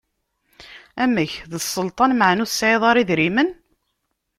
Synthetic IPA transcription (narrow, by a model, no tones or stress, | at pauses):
æmæçðəsˤːəlt̪ˤɑnməʕnuθsːʕeðˤɑɾiðɾimən